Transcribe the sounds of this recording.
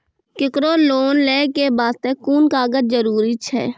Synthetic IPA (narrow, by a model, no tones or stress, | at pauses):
kɪkɾoːloːnleːkebaːst̪ekuːnkaːɡət̪̚d͡ʒəɾuːɾit͡ʃʰɛ̰ː